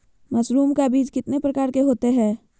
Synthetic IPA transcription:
mɐsɾuːmkabiːd͡ʒkɪt̪nepɾəkaːɾkeɦoːt̪eɦɛː

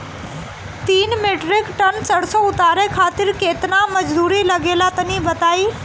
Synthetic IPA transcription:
t̪iːnmeʈɾɪkʈənt͡səɽsoʊt̪aːɾekʰat̪ɪɾkeːt̪naməd͡ʒd̪uːɾiləɡelat̪ənibət̪aiː

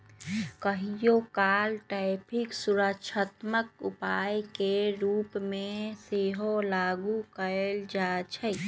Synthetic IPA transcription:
kəɦijokaːlʈaɪpʰiksuɾəkʃʰət̪mək̚upajkeɾuːpmẽseɦolaɡukəeld͡ʒat͡ʃʰə

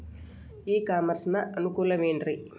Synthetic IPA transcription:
iːkaːmɐɾsnɐʔɐnukuːlɐmeːɳɖɾi

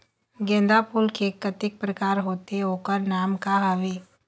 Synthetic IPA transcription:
ɡẽːnd̪apuːlkekət̪ɪk̚pɾəkaːɾɦoːt̪eoːkəɾnaːmkaɦɐʋeː

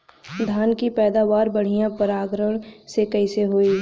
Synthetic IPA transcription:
d̪ʱaːnkipɛːd̪aːʋaːɾbɐɽ̤ijãpɐɾaːɡɾəɳsekɐiseɦoːiː

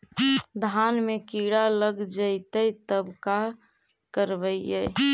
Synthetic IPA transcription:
d̪ʱanmekiɽaləɡd͡ʒəjt̪əjt̪əbkakəɾbəjəj

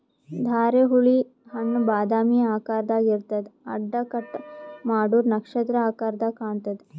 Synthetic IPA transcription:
d̪ʱaːɾeɦuɭi | ɦɐnːbaːd̪aːmiaːkaːɾd̪aɡiɾt̪ɐt̪ɐ̰ɖːɐkɐʈmaːɽuːɾnɐkʂɐt̪ɾɐaːkaɾd̪akaːɳt̪ɐt̪

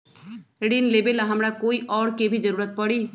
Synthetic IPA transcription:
eɖinleːbelaɦɐmɾakoːiʔɔːɽkebʱid͡ʒəɾuːɾət̪̚pəɽiː

